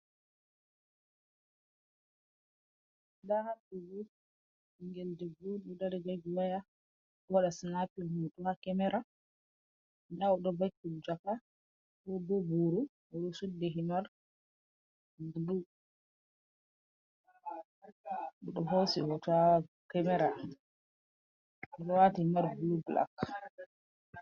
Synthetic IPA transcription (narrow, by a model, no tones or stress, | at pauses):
dahapiɡu | iŋɡɛldɛbuɗɔdaɾɛɡaɡiwaja | bɔɗasinapimuɗɔhakɛmɛɾʔa | daɔɗɔbatːuld͡ʒaka | ɔdɔbuɾu | ɔɗɔsudːɛɦinaɾ | bulu | ɔɗɔɦosihɔta | kɛmɛɾa | ɔɗɔwatihimaɾbulubla̰k